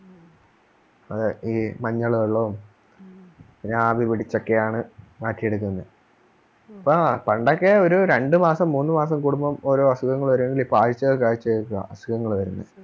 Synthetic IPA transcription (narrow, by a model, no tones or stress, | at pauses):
ɐðɨiːmɐɲːɐɭoɭːɐum | ɾaːbipiɽit͡ɕːo̞kːejaːɳɨmaːtːijeɽuk̬ːunːɐ | ɐpːopɐɳɖokːeo̞ɾuɾe̞ɳɖɨmaːsɐmːuːnːɨmaːsɐmkuɽumbɐmo̞ːɾo̞ːɐsuɣɐŋːɐɭʋɐɾueŋɡilipːaːɻit͡ɕːɐkaːɻit͡ɕːɐkːuɐ̰ɐsu̥kɐŋːɐɭʋɐɾunːɐ̰